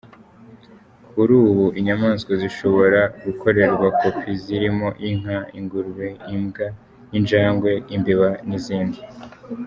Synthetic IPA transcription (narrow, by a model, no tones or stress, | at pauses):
kuɾuːβuʔiɲamaːnskoziʃo̞βo̞ɾaɡukʰo̞ɾe̞ɾɡwakʰopiziɾimo̞ʔiŋ̥aiŋɡuɾwe̞imɡa | ind͡ʒaːŋɡwe̞imbiβaniziːndi